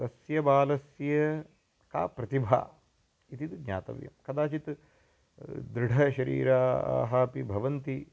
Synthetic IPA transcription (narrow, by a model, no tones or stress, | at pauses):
t̪ɐsjɐbaːlɐsjɐ | ka̰ːpɾɐt̪ibʱa̰ː | it̪it̪ɡ̪ɲa̰ːt̪ɐ̰ʋjɐ̰mkɐd̪aːt͡ʃit̪ | d̪ɾɪɽʱɐʃɐɾḭːɾa̰ːɦɐːpibʱɐʋɐnt̪i